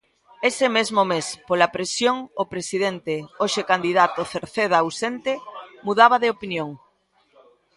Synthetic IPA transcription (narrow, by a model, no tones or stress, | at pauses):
esemezmomespolapɾesjoŋopɾesið̞ent̪eoʃekand̪iðat̪oθeɾθeð̞aːwsent̪emuðaβ̞aðeopinjõŋ